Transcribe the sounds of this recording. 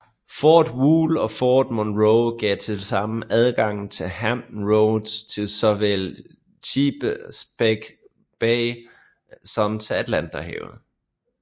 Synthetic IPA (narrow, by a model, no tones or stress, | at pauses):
fɒːd̥wuːlɒ̽fɒːd̥monʁoʊɡ̥ɛ̰ːt͡sʰe̝lsɑ̈məʔæð̞ˠɡ̥ɑ̈ŋ̰n̩t͡sʰe̝ɦæmn̩ʁoʊd̥st͡sʰe̝lsɒ̽ʋel | ɕʰiːb̥əsb̥eɡ̥ | b̥eɪ | sɒ̽mt͡sʰe̝æd̥læn̰d̥ɐhḛʊð̩ˠ